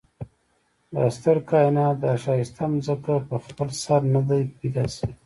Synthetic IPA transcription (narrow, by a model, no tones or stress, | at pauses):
d̪a̰st̪əɾkɑinɑt̪d̪aːʃɑist̪ʰamzəkapəxpəlsaɾnad̪ajpid̪asi